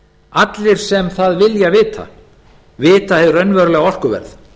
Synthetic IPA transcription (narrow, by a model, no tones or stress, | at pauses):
at̪lɪɾ̥sɛmθaðvɪljavɪːt̪ʰa̰ | vɪːt̪ahɛvʏɾœɥnvɛɾʏlɛːɣaɔr̥kʏvɛ̰ɾð